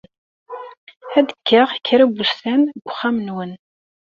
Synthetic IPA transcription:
æd̪əkʰːəʁkʰːəɾæbust̪ænɡʷʊχːamənwən

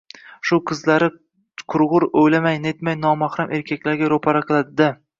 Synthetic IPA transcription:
ʃʊqʰɨzlaɾɪ | qʰʊɾʁʊɾojlamajnet̪majnɒmahɾamʔe̞ɾkʲʰakʲlaɾɡʲaɾopʰaɾaqʰɨlˠad̪d̪a

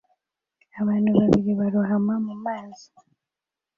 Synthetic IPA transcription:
aβanuβaβiɾiβaɾɔɦamamumanzi

